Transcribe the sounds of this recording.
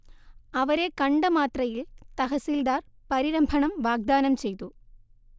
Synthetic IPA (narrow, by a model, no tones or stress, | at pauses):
ɐʋɐɾe̞kɐɳɖɐmaːt̪rɐjilt̪ɐɦɐsiːld̪aːr | pɐɾiɾɐmbʱɐɳɐmʋaːɡ̚d̪aːnɐmt͡ɕe̞jt̪u